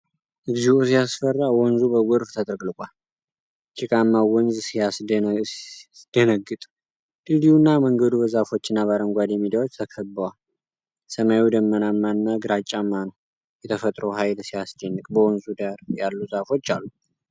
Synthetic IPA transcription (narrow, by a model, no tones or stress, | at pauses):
ʔɨɡziusijasfərːawɔnzubəwɔɾft̪ʰət̪ʼɾɡlɨkʼal | t͡ʃʼɪkʼamːawɔnzsijas | d̪̥ənəɡɨt̪ʼ | d̪ɨliunːaməŋɡəd̪ubəzafo̞t͡ʃːɪnːaβaɾəŋɡʷad̪jɛmid̪jawo̞t͡ʃːt̪ʰəkʰəbːəwal | səmajud̪əmːənamːanːaɡɨɾat͡ʃʼːamːanəw | jɛt̪ʰəfət̪ʼɾəwɦajlsijast͡ʃʼɛnːɨkʼbəwɔnzud̪aɾjalːuzafo̞t͡ʃːalːu